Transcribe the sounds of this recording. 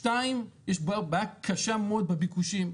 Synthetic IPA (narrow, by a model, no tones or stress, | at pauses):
taimjɛʃbabakʰːaʃeamod̪̚bebikuʃim